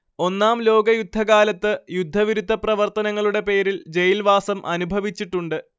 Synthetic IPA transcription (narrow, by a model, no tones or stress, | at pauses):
o̞nːaːmlo̞ːɡɐjud̪ʱːɐkaːlɐt̪ːɨjud̪ʱːɐʋiɾud̪ʱːɐprɐʋɐrt̪ɐnɐŋːɐɭuɽe̞pe̞ːɾild͡ʑe̞jilʋaːsɐmʔɐnubʱɐʋit͡ɕːiʈːuɳɖɨ